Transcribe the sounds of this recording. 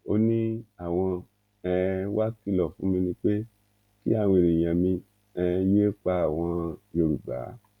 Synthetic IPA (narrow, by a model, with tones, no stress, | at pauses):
o˧nĩ˦a˦˨w̃ɔ̃˧ | ɛ˧wa˦ki˦lɔ˨fũ˨˦mĩ˧nĩ˧k͡pe˦ | ki˦a˦˨w̃ɾĩ˨j̃ã˨mĩ˧ | ɛ˧je˦k͡pa˧a˨w̃ɔ̃˧jo˧ɾu˨ɡ͡ba̰˨˦